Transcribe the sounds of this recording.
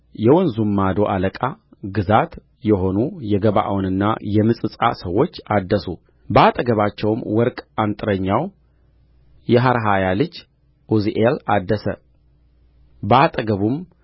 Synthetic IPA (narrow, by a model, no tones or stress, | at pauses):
jɛwɔnzumːad̪o̞ʔaləkʼaɡɨzat̪ | jɛɦo̞nujɛɡəβa̰ʔa̰wnɨnːa̰jɛmɨsʼɨsʼa̰səwːo̞t͡ʃːad̪ːəsu | bəat̪ʼəɡəβat͡ʃːɛwmwɔɾkʼant̪ʼɨɾəɲːaw | jɛɦaɾɦajalɨd͡ʒ | ʔuziʔelad̪ːəsə̰ | bəat̪ʼəɡəβum